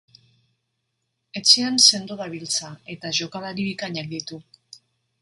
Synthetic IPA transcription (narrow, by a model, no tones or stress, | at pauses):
e̞t͡sianse̞nd̪uðaβilt͡sae̞t̪aʝo̞kalaɾiβikaɲak̚d̪it̪u